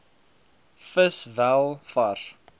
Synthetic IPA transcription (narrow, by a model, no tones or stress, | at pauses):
fəsvælˠfɐr